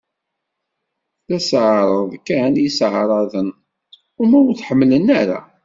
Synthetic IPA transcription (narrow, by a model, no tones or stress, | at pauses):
læsʕɾˤəðˤkːænjəsʕɾˤɑðən | ʊmæwθħəmːlənaɾa̰